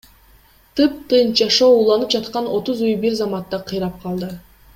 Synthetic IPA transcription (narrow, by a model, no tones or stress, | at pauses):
t̪ɯp̚t̪ɯnd͡ʒɑʃo̞ːulˠɑnɯp̚d͡ʒɑt̪qɑno̞t̪uzujbiɾzɑmɑt̪ːɑqʰɯjɾɑp̚qʰɑlˠd̪ɯ